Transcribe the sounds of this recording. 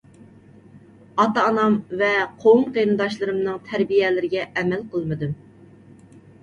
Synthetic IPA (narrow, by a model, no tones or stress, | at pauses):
ɑt̪ɑːnɑmvɛqʰowŋqejnɨd̪ɑʃlˠɨɾɨmnɨŋt̪ʰæɾbijɛlɪɾɪɡʲɛʔɛmɛlqʰəlˠmɨd̪ɨm